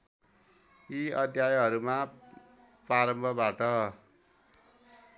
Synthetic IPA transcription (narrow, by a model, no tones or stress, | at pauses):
iʌd̪ʱjajɦʌɾuma | praɾʌmbʱʌbaʈʌ